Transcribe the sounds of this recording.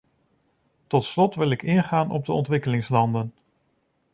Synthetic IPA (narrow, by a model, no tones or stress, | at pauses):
tɔtslɔtʋɪlɪkɪnχaːnɔ̰b̚dəɔ̰ntʋɪkəlɪŋslɑndən